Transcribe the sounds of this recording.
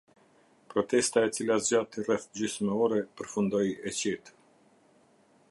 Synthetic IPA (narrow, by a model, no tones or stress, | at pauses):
pɾɔt̪ɛst̪aɛt͡silazd͡ʑat̪irɛθd͡ʑysmɛɔɾɛpəɾfund̪ɔjɛt͡ɕɛt̪